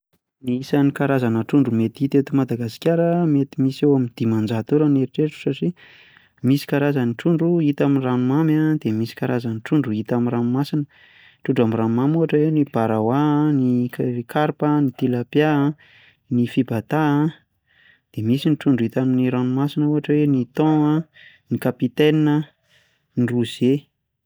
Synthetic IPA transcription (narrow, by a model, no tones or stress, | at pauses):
niisanikaɾazanəʈ͡ʂuɳɖ͡ʐumet̪it̪et̪umad̪aɡasi̥kʲaɾəmet̪imisewamind̪̥imand͡zat̪uɾaneɾiʈ͡ʂeʈ͡ʂu̥saʈ͡ʂi | misi̥kaɾazəniʈ͡ʂuɳɖ͡ʐuit̪aminranumamad̪̥emisi̥kaɾazəniʈ͡ʂuɳɖ͡ʐuit̪amiɾanumasinə | ʈ͡ʂuɳɖ͡ʐamiranmamuɦaʈ͡ʂəwenib̥aɾawanikʰaɾpənit̪ilapja | nifibat̪a | d̪̥emisiniʈ͡ʂuɳɖ͡ʐuit̪aminiɾanumasinəuɦaʈ͡ʂəwenit̪ɔ̃a | nikapit̪eninə | niruz̥e